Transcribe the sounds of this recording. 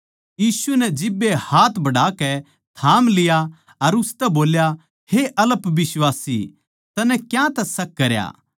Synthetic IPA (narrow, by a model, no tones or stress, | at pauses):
jiːsunɛd͡ʒɪbːehaːt̪ʰbɐɽaːkɛ | t̪ʰaːmlɪja | ɐɾʊst̪ɛboːlja | heʔɐləpʋɪswaːsḭ | t̪ɐnɛkjãt̪ɛsɐkːɐɾja̰ː